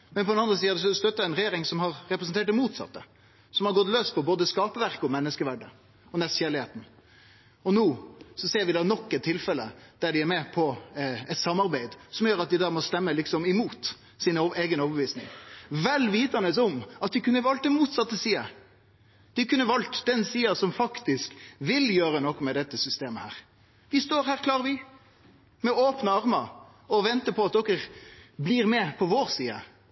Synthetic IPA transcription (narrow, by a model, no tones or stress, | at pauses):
mɛnpʰɔd̪ɛnɑnd̪ɾəs̬iːəd̪ɛsɔst̪œt̪ːəɾæɪnɾɛjeːɾɪŋsɔmhɑɾɾɛpɾəsnt̪ʰeːʈ̚d̪ɛmuːt̪sɑ̰t̪ːə | sɔmhɑɾɡɔt̪løːspʰɔboːd̪əskɑːpəʋæɾkəɔmɛnːəskəʋæɖə | ɔnɛst̪çæːɾlɪheːt̪n̩ | ɔnuːsɔseːɾʋɪd̪ɑːnɔkːɛt̪ʰːɪlfɛlːə̰d̪̥æɖɪæɾmɛpʰɔɛt̪sɑmːɑɾbæɪd̪sɔmjøːɾɑt̪̚d̪ɪd̪ɑːmɔst̪ɛmːəlɪksɔmɪmuːt̪ | sɪneːɡənɔːʋəbəʋiːsnɪ̰ŋʋɛlʋiːt̪ɑnəsɔmɑt̪̚d̪ɪkʰʉnːəʋɑlt̪̚d̪ɛmuːt̪sɑt̪ːəsiːə | d̪̥ɪkʰʉnːəʋɑlt̪d̪ɛnsiːɑsɔmfɑkt̪ɪskʋɪljøːɾənɔkːmɛd̪ɛt̪ːəsʏst̪eːməhæːɾ | ʋɪst̪oːɾhæːɾkʰlɑːʁəʋɪ | mɛoːpnəɑɾmɑ | ɔʋɛnt̪əpʰɔɑt̪̚d̪ɔkːəɾbliːɾmɛpʰɔʋoːɾsiːə